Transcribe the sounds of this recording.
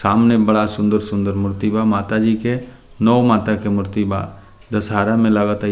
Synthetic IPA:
saːmnebɐɽasʊ̃nd̪əɾsʊ̃nd̪əɾmʊɾt̪ibamaːt̪ad͡ʒiːke | nɔːmaːt̪akemʊɾt̪iba̰ | d̪ɐsɦaːɾamẽlaɡət̪a

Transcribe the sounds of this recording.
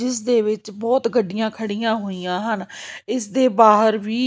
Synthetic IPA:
d͡ʒɪsd̪eːʋɪt͡ʃbɔːt̪ɡəɖijãːkʰəɽijãːɦoːiːjãːɦənɪsd̪eːbaːɦəɾʋiː

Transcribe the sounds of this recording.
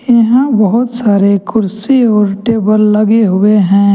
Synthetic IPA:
jɐɦãbɐɦʊt̪saːɾekʊɾsiɔːɾʈeːbəlːɐɡeɦʊeɦɛ̃ː

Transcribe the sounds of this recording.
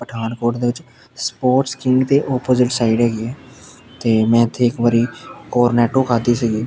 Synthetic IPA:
pəʈʰaːnkoːʈd̪eːʋɪt͡ʃ | spoːʈskɪŋɡt̪eːʔɔːpoːzɪʈsaːiɖɦɛːɡiɛː | t̪eːmɛ̃ːɪt̪ʰːeːɪkʋaːɾiːkoːɾnɛːʈoːkʰaːd̪iːsəɡiː

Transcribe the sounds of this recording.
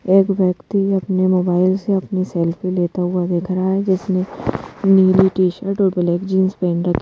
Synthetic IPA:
eːkʋjɐkt̪iɐpnemoːbaːɪlseɐpnisɛːlpʰeleːt̪aɦʊad̪eːkʰɾɐɦaɦɛd͡ʒɪsneniːliʈiːʃəɾʈɔːɾbɪlɛːkd͡ʒĩːnspɛ̃ːɳɾɐkʰ

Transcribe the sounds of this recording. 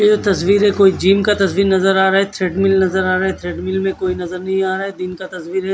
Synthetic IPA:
jed͡ʒot̪ɐsʋiːɾɦɛkoːid͡ʒiːmkat̪ɐsʋiːɾnɐzəɾaːɾaːɦɛt̪ʰɾeːɖmɪlnɐzəɾaːɾaːɦɛt̪ʰɾeːɖmɪlmẽkoːinɐzəɾnɐɦĩaːɾaːɦɛd̪ɪnkat̪ɐsʋiːɾɦɛ

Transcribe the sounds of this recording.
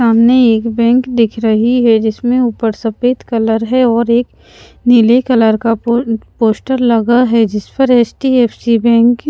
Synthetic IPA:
aːmneeːkbɛ̃ːŋkd̪ɪkʰɾɐɦiɦɛd͡ʒɪsmẽuːpəɾsɐpeːt̪kɐləɾɦɛɔːɾeːk | nɪlekɐləɾkapoːsʈəɾlɐɡaɦɛd͡ʒɪspəɾeːsʈieːpʰsibɛ̃ːŋk

